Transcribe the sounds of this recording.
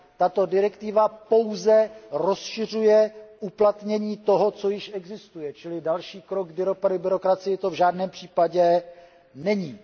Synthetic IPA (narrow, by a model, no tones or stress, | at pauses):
t̪at̪o̞dɪɾɛkt̪ɪvapo̞wzɛɾo̞sʃɪr̝ujɛʔuplat̪ɲɛɲiːt̪o̞ɦo̞t͡so̞jɪʃɛɡzɪst̪ujɛt͡ʃɪlɪdalʃiːkɾoɡ̚ɡbɪɾopadʊbɪɾo̞kɾat͡sɪjɪt̪o̞vʒaːdnɛːmpr̝̥iːpaɟɛ | nɛɲiː